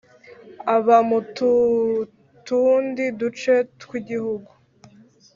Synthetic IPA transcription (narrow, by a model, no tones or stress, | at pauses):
aβamutu | tundidut͡ʃe̞tkwiɟihuɡu